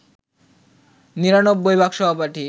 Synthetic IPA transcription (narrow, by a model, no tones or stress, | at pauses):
niɾanobbojbʱaɡʃɔbʱapaʈi